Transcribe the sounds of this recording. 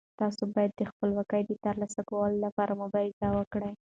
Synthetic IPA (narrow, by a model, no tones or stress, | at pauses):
t̪ɑsobɑjad̪ːəxpəlwɑkəjd̪ət̪əɾlɑsakawəlolapɑɾamʊbɑɾɪzawəkɽəj